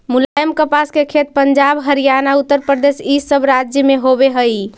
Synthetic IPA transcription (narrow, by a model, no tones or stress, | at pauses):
mulajəmkəpaskekʰet̪̚pəɲd͡ʒabɦəɾijanaut̪ːəɾpɾəd̪esisəbɾad͡ʒjəmeɦobeɦəi